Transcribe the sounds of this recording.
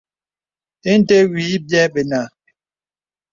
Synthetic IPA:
e˦n̩˦te˦wiː˨˦bjɛ˦ɓe˨na˨

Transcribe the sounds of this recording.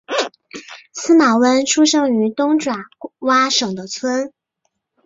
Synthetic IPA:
sɹ̩˥ma˨˩wə˥nʈ͡ʂʰu˥ʂɤ˥ŋy˧˥t̪ʊ˥ŋʈ͡ʂwa˨˩˦wa˥ʂɤ˨˩ŋd̪ə˦t͡sʰwə˥n

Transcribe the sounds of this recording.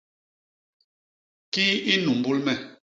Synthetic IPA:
ki˦i˦nu˨m˨bu˦lmɛ˨

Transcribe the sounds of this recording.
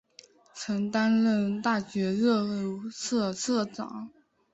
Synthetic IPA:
t͡sʰɤ˧˥ŋt̪a˥nlə˥˧nt̪a˥˩ɕɥɛ˧˥ɻɤ˥˧˩ʊsʰɤ˥˧sʰɤ˥˩ʈ͡ʂɑ̰˨˩˦ŋ

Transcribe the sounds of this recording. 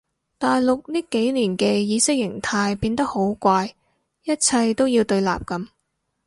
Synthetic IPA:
t̪aː˨jlʊ˨k̚niː˥ke˨˥jliː˨˩nkɛː˧jiː˨˧sɪ˥k̚jɪ˨˩ŋt̪ʰaː˧jpiː˧nt̪ɐ˥k̚ho˨˥wkʷaː˧j | jɐ˥t̚t͡sʰɐ˧jt̪o˥wjiː˧wt̪ɵ˧ɥla̰ː˨p̚kɐ˨˧˥m

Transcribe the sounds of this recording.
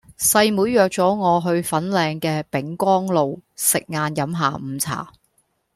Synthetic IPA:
sɐ˧jmuː˨˥jːœː˨k̚t͡sɔː˨˥ŋɔː˨˧ɦɵ˧ɥfɐ˨˥nlɛː˧ŋkɛː˧pɪ˨˥ŋkʷɔː˥ŋlo˨wsɪ˨k̚ŋaː˨˧njɐ˨˥mɦaː˨˩m̩ː˨˧t͡sʰa̰ː˨˩

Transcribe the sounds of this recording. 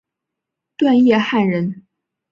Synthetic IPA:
t̪wa˥˧njɛ˥˧xa˥˩nɻə˧˥n

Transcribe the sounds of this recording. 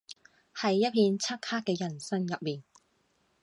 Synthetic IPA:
hɐ˨jːɐ˥t̚pʰiː˧nt͡sʰɐ˥t̚hʰaː˥k̚kːɛː˧jɐ˨˩nsɐ˥ŋjɐ˨p̚miː˨n

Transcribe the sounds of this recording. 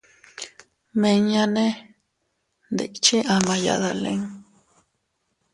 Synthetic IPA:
mẽ˧ŋɲã˧nẽ˦ | nd̪ḛ˨ʔt͡ʃi˦ʔa˧˨mã˧ja̰˨ða˧˨lḛ̃˦ŋ

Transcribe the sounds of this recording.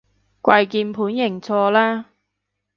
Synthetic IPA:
kwɐ˧jkiː˧npʰuː˨˥njɪ˨˩ŋt͡sʰɔː˧laː˥

